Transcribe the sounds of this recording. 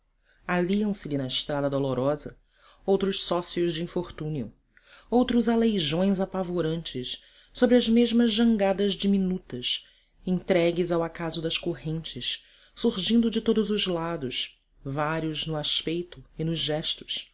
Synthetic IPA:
aliɐ̃w̃sɪlɪnɐɪʃt̪ɾad̪ɐd̪oloɾɔzɐ | owt̪ɾʊʃsɔsiʊzd͡ʒɪĩfoχt̪ũniʊ̰ | owt̪ɾʊzalejʒõj̃zapavoɾɐ̃nt͡ʃɪs | sobɾɪɐzmeʒmɐzʒɐ̃ŋɡad̪ɐzd͡ʒiminut̪ɐs | ẽt̪ɾɛɡɪzawakazʊd̪ɐʃkoɦẽnt͡ʃɪs | suɾʒĩnd̪ʊd͡ʒɪt̪od̪ʊzʊzlad̪ʊs | vaɾiʊznʊaʃpejt̪ʊɪnʊʒʒɛʃt̪ʊ̥s

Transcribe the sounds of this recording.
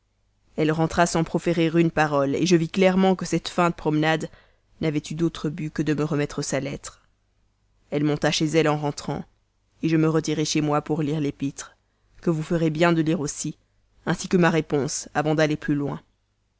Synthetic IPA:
ɛlʁɑ̃t̪χasɑ̃pχɔfeʁiʁynpaʁɔlḛʒəviklɛʁmɑ̃kəsɛt̪fɛ̃d̪əpχɔmnad̪ | navɛt̪yd̪ot̪χəbykəd̪əməʁəmɛt̪χəsalɛt̪χ | ɛlmɔ̃t̪aʃezɛlɑ̃ʁɑ̃t̪χɑ̰̃ | eʒəməʁət̪iʁeʃemwapuʁliʁlepit̪χ | kəvufəʁebjɛ̃d̪əliʁosi | ɛ̃sikəmaʁepɔ̃savɑ̃d̪aleplylwɛ̰̃

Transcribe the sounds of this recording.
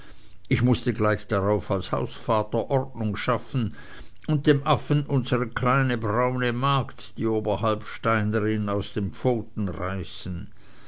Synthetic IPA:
ʔɪçmʊstəɡlaɪçd̥aʁaʊfalsha̰ʊsfaːtɐʔɔʁt̚nʊŋʃafn̩ | ʊnt̚d̥eːmʔafən̩ʔʊnzəʁəkʰlaɪnəbʁaʊnəmaɐktd̥iːoːbɐɦalpʃtaɪnəʁɪnaʊsd̥eːmp͡foːtn̩ʁaɪsn̩

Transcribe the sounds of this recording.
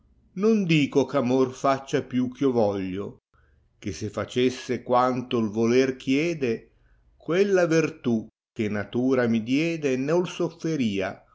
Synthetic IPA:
nond̪iːkokamorfat͡ʃːapjuk̟ːiovɔʎːo | k̟esefat͡ʃesːekwant̪olvolerkʰjɛːd̪e | kwelːavirt̪u | k̟ːenat̪uːɾamid̪jɛːd̪enolsofːeɾiːa

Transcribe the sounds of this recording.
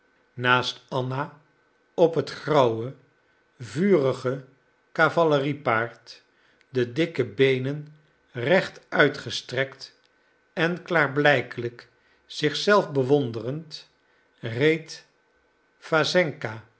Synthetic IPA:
naːstɑna | ɔpɦətχrɑwə | vyːrəχə | kavɑləripaːɹt | dədɪkəbejnən | rɛχtœɥtχəstrɛkt | ɛnklaːɹblɛjkələk | z̥ɪχsɛlˠfbəʋɔndərənt | rejt | fazɛŋka

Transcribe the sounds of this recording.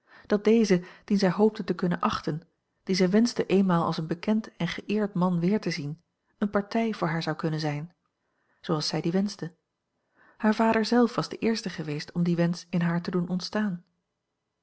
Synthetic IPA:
d̥ɑt̚d̥ejzəd̥inzɛjɦowp̚tətəkɵnənʔɑχtən | d̥izɛjʋɛnzdəʔejnmaːlˠɑ̰lˠsənbəkɛntɛnχəʔɪːɹtmɑnʋɪːɹtəzin | ənpɑɹtɛjvʊːɹɦaːɹzɑwkɵnənzɛjn | z̥owɑlˠsɛjdiʋɛnzdə | haːɹvaːdəɹzɛlˠfʋɑzd̥əʔɪːɹstəχəʋejstɔmdiʋɛnsɪnɦaːɹtədunɔntstaːn

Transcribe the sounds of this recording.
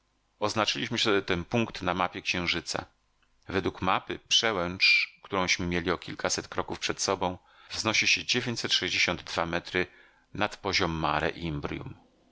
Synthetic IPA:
ɔznat͡ʂɘlʲiɕmɘɕt̪ɛɛt̪ɛnpuŋkt̪namapʲjɛkɕɛ̃w̃ʐɘt̪sa̰ | vɛd̪wukmapɘpʂɛwɛnt͡ʂkt̪uɾɔ̃w̃ɕmɘmʲjelʲiɔkʲʰilkʰasɛt̪kɾɔkufpʂɛt̪sɔbɔ̃w̃ | vznɔɕiɕɛd͡ʑevʲjẽɲt͡ɕsɛt̪ʂɛʑd͡ʑeɕɔnd̪ːvamɛt̪ɾɘ | nat̪pɔʑɔmːa̰ɾɛ̰ʔimbɾʲjṵm

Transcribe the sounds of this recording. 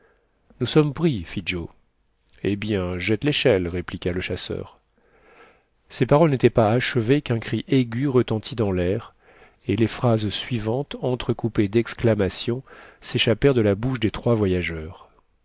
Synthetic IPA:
nusɔmpχifid͡ʒo | ebjɛ̃ʒɛt̪leʃɛlʁeplikʲaləʃasœ̰ːʁ | sepaʁɔlnet̪ɛpaaʃəvekɛ̃kχiʔeɡʲyʁət̪ɑ̃t̪ʰid̪ɑ̃lɛʁ | elefχazsɥivɑ̃t̪ɑ̃t̪χəkuped̪ɛksklamasjɔ̃seʃapɛʁd̪əlabuʃd̪et̪χwavwajaʒœʁ

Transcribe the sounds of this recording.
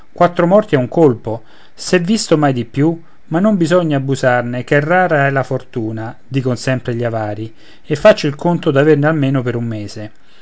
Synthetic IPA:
kwat̪ːɾomɔrt̪iɛuŋkolpo | sɛvːist̪omajd̪ipːju | manːombizɔɲːaːbːuzarnɪkɛrːaːɾaɛlafort̪uːnad̪iːkonsɛmpɾeʎiavaːɾi | efːat͡ʃːoilkʰont̪od̪avernɪalmeːnopeɾumːeːze

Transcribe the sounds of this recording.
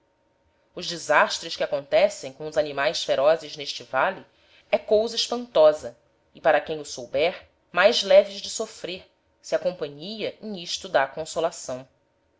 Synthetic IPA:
ʊʒd͡ʒizaʃt̪ɾɪʃkɪakõnt̪ɛsẽj̃kõʊzanimajsfeɾɔzɪzneʃt͡ʃɪvali | ɛkowzɐiʃpɐ̃nt̪ɔzɐ | ɪpaɾɐkẽj̃ʊsowbɛɾ | majzlɛvɪʒd͡ʒɪsofɾeɾ | siɐkõmpɐ̃ɲijɐẽj̃iʃt̪ʊd̪aːkõsolasɐ̃w̃

